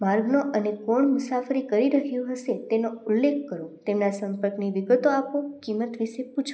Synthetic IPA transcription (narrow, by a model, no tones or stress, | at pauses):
maɾɡnoʔənekoɳmʊsafəɾikəɾiɾəkjũɦəʃet̪enoulːekːəɾot̪emnasəmpəɾkniʋɪɡət̪oapokimət̪ʋiʃeput͡ʃʰo